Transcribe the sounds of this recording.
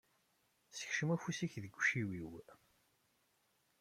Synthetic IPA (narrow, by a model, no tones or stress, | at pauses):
sə̥çʃəmæfusiçðəɡʷːʃiwiw